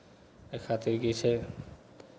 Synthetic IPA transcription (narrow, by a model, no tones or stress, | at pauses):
ekʰat̪iɾɡit͡ʃʰe